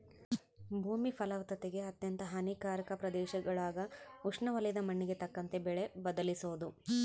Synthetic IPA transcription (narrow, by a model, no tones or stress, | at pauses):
bʱuːmipɐlɐʋɐt̪ɐt̪eɡe̞ɐt̪jɐnt̪ɐɦɐnikaːɾɐkɐpɾɐd̪ɛːʃɐɡɐɭaːɡɐuʂɳɐʋɐlɐjd̪ɐmɐɳːiɡe̞t̪ɐkːɐnt̪ebɛɭe̞bɐd̪ɐlisoːd̪u